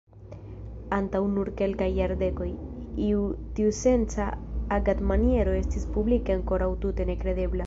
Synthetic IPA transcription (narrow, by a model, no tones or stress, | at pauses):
antawnuɾke̞lkajːaɾde̞ko̞jiutiuse̞nt͡saːɡadmanie̞ɾo̞e̞stispublikeaŋko̞ɾawtute̞ne̞kɾe̞de̞bla